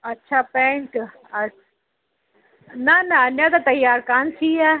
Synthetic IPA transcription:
ɐtːʃʰapẽːɳʈ | ɐ | nɐnɐɐnjat̪ɐt̪ɐjaːɾkaːnsʰiːaː

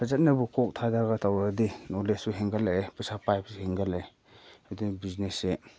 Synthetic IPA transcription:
pazat̚nabukʰɔk̚tʰadaɡatʰawɾadinɔlesuɦeŋɡalepɯsapajp̚suheŋɡale | adibiznese

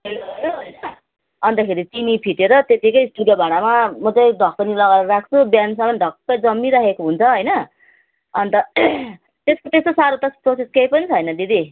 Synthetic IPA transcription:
ɦelʌjoɦojnʌ | ʌnt̪ʌkʰeɾit͡sinipʰiʈeɾʌt̪et̪ikʌjsʈudjobʱaɽ̃amamʌt͡sʌjɖʱʌk̚pʌnilʌɡaɾʌɾak̚ʰt͡sʰubjansʌmʌnɖʱʌk̚pʌd͡zʌmːiɾʌkekoɦunt͡sʰʌɦʌjnʌ | ʌnt̪ʌ | t̪eskot̪esosaɾot̪ʌsproseskejpʌnit͡sʰʌjnʌd̪id̪i

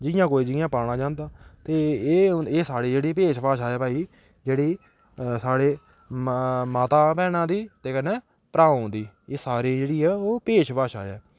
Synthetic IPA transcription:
d͡ʒɪjãːkoːiːd͡ʒɪjãːpaːɽ̃ãːd͡ʒãːnd̪aːt̪eː | eːsaːɽiːd͡ʒeːɽiːpeːʃʋaːʃaːɛːpaːiː | d͡ʒeːɽiː | saːɽeː | maːt̪aːpɛ̃ːnãːd̪iːt̪eːkənɛ̃ː | pəɾãːnd̪iː | eːsaːɾeːd͡ʒeːɽiːɦɛːoːpeːʃʋaːʃa̰ːɛː

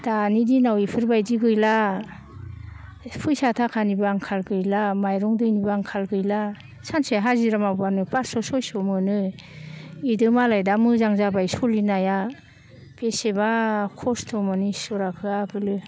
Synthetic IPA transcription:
d̥anidinawipʰɯɾbajdiɡɯjla | pʰɯjsatʰakʰanibɯaŋkʰalɡɯjlamajɾɔŋdɯjnibɯaŋkʰalɡɯjla | sanseɦaziɾamabanɯpasɔsɔjsɔmɯnɯ | idɯmalajdamɯzaŋzabajsɔlinaja | pesebakʰɔstʰɔmɯnisɔɾakʰɯaɡɯlɯ

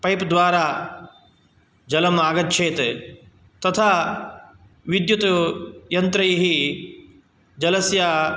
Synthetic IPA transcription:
pɐjpd̪ʋaːɾaː | d͡ʒɐlɐmaːɡɐt̪̚t͡ʃʰeːt̪e | t̪ɐt̪ʰaː | ʋid̪jut̪jɐnt̪ɾɐjɦi | d͡ʒɐlɐsjaː

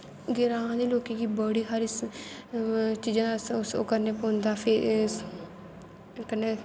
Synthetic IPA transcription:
ɡɪɾãːd̪iːloːkẽːkiːbəɽiːɦəɾɪs | t͡ʃiːd͡ʒãsso̰kəɾneːpõːnd̪aːpʰɪ | kəneː

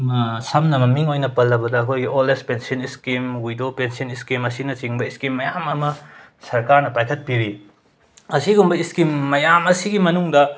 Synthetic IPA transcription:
msɐmnɐmɐmiŋojnɐpɐlːɐbɐdɐːɐkʰojɡiʔolespensiniskimwujdopensiɐniskimɐsinɐt͡ʃiŋbɐiskimːɐjamɐmɐ | sɐɾkaɾnɐpajkʰɐt̚piɾi | ɐsiɡumbɐiskimːɐjamɐsiɡimɐnuŋdɐ

